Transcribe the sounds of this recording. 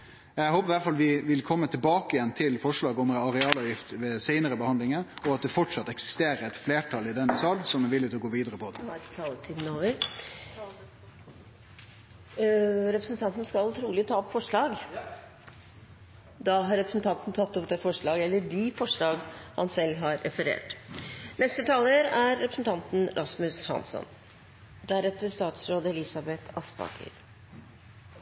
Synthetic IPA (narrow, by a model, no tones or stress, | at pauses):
æhoːpəɾʋæfɑlʋɪʋɪlkʰɔmːət̪ʰɪlbɑːkəɪjɛnt̪ʰɪlfɔʂɭɑːɡɔmɑɾɛɑːlɑʋjɪft̪ʋeseɪnəɾəbəhɑnd̪lɪŋəɾɔɑt̪̚d̪ɛfɔʈʂɑt̪ːɛksɪ̥st̪eːɾəɾɛt̪fleːʈʰɑlɪd̪ɛnːəsɑlsɔmɛʋɪlːɪt̪ɪlɔɡoːʋiːd̪əɾəpʰɔt̪ʰɑlət̪ʰiːd̪n̩oːʋəɾ | ɾɛpɾəsn̩t̪ʰɑnt̪n̩skɑʊt̪ʰɾuːlɪt̪ʰɑːɔpfɔʂɭɑːɡ | d̪ɑɦɑɾːɛpɾəsn̩t̪ʰɑnt̪n̩t̪ʰɑt̪ːɔpd̪ɛːfɔʂɭɑːɡɛlːəɖɪfɔʂɭɑːɡhɑ̰nsɛlːɦɑɾʔɛfəɾḛːʈnɛst̪ət̪ʰɑːləɾæɾːɛpɾəsn̩t̪ʰɑnt̪n̩ɾʔɑsmʉshɑ̰nsɔ̰n | d̪æɾɛt̪ːəst̪ɑːt̪sɾoːd̪əɛlɪsɑbɛt̪ʰɑspɑ̰kʰə̰ɾ